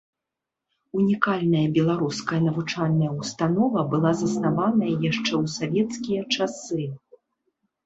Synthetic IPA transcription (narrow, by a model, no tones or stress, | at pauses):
unʲikalʲnɐjɐbʲɛlˠaɾuskɐjɐnɐvut͡ʂalʲnɐjɐwst̪anɔvɐbɨlˠazɐsnavanɐjɐjaʂt͡ʂɛwsavʲɛt̪skʲijɐt͡ʂasɨ